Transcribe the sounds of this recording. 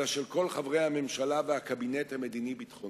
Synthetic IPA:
aʃelko̞lχavʁejhame̞mʃalavehakabinethame̞d̪inibit̪χo

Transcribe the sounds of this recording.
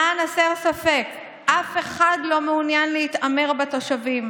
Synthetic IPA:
anaseʁsafe̞k | ʔafe̞χadlo̞meunjanleit̪ame̞ʁbet̪o̞ʃavim

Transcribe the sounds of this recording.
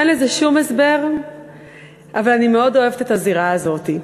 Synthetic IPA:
nlezeʃumesbe̞ʁ | ʔavalanimeo̞do̞e̞vetet̪aziʁaːzo̞t̪i

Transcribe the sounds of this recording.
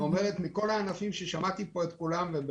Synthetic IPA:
ome̞ʁet̪miko̞laːnafimʃeʃamat̪ipo̞et̪kulamveb

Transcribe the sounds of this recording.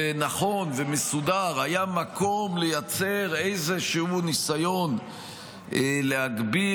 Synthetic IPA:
enaχo̞nvemesudaʁhajamakʰo̞mlejat͡se̞ʁe̞jzeʃeunisajo̞n | lehaɡbi

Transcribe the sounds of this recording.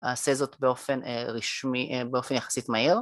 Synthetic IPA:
aːsezo̞tbeo̞feneʁiʃmibeo̞fe̞njaχḁsitmaiʁ

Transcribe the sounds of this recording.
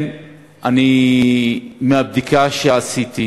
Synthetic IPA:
n | ani | meab̚d̪ikaʃeasit̪i

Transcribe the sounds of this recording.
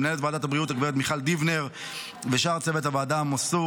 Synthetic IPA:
mnaelet̪vaːd̪athabʁiutaɡveet̪miχald̪ivneʁ | veʃaʁt͡sevet̪havaːd̪amosu

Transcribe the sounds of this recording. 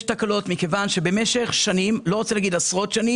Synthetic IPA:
ʃtakalo̞tmikevanʃebemeʃeχʃanimlo̞ʁot͡selaɡid̪asʁo̞t̪ʃani

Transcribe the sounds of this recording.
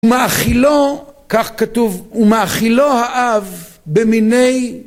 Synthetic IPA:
umaʔaχilokaχkatuvumaaχilohaʔav | beminej

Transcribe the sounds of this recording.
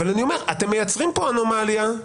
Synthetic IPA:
valanio̞me̞ʁat̪e̞mːejat͡sʁimpo̞anomalja

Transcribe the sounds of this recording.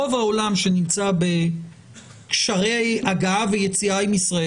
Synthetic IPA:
o̞vao̞lamʃe̞nimt͡sabe̞ | kʃaʁeaɡaaveje̞t͡siaimisʁae

